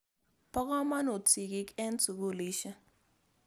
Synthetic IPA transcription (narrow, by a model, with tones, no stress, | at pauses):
pɔ˦ka˦ma˦no˨tʰi˨ki˦kɛ˦ntu˨ku˦˨li˦ʃa˦